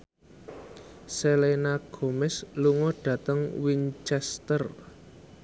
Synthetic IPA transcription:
selenaɡ̥o̤mɛsluŋɔɖ̥ä̤t̪əŋwint͡ʃɛst̪ər

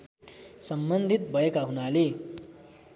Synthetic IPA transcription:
sʌmbʌnd̪ʱit̪̚bʱʌekaɦunale

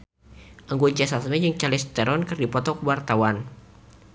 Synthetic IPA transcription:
ʔəŋɡuɲt͡ʃɛsasmɛjəŋt͡ʃalɪst̪əɾɔnkɨrdipɔt̪ɔkwart̪awan

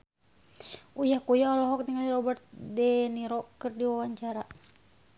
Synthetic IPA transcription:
ujahkujaɔlɔɦɔk̚niŋaliɾɔbɛrt̪̚dɛniɾɔkɨrdiwawaɲt͡ʃaɾa

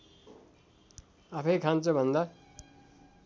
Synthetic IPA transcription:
apʰʌjkʰant͡sʌbʱʌnd̪a

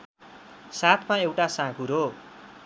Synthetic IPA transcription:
sat̪ʰmaewʈasãkʰuɾo

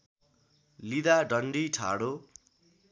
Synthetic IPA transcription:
lid̪aɖʌɳɖiʈʰa̰ɽo

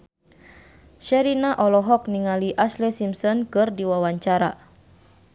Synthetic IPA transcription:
ʃɛɾinaʔɔlɔɦɔk̚niŋaliʔaslɛsimsɔnkɨrdiwawaɲt͡ʃaɾa

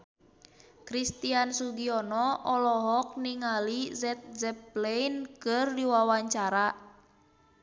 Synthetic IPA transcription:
kɾist̪iansuɡiɔnɔʔɔlɔɦɔk̚niŋalizɛt̪̚zɛplejnkɨrdiwawaɲt͡ʃaɾa

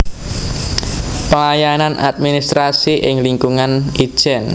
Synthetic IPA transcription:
pəlajananʔa̰t̪̚minist̪ɾasiʔɪŋliŋkuŋani̥ʒ̥ɛn

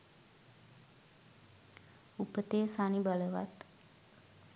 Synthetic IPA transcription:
upət̪eːsanibaləʋa̰t̪

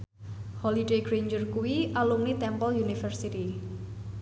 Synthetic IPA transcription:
hɔliɖeɡɾeɲd͡ʒərkuwiʔalumnit̪ɛmpɔljunifərsit̪i

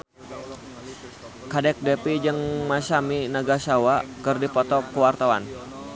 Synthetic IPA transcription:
kadɛk̚dɛpid͡ʒəŋmasaminaɡasawakərdipɔt̪ɔkəwart̪awa̰n

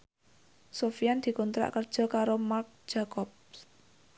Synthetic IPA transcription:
sofijand̪̥i̤kunt̪ɾa̰ʔkərd̥ʒ̥ɔ̤kaɾomark̚d̥ʒ̥a̤kɔp̚s

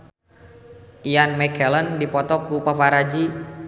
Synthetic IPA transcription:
ianmɛkɛləndipɔt̪ɔkupapaɾad͡ʒi

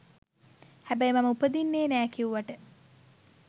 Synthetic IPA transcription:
hæbæjmaməupəd̪inːeːnæːkiuʋaʈə

